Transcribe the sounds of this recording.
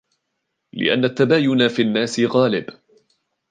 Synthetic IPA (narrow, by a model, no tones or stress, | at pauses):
lɪ̰ʔa̰nːat̪ːabaːjʊnafiːnːaːsɪɣaːlɪb